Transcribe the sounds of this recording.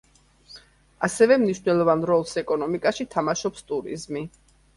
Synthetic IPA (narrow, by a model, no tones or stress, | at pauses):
asɛvɛmniʃvnɛlˠɔvanɾɔlˠsɛkʼɔnɔmikʼaʃit̪ʰamaʃɔpst̪ʼuɾḭzmi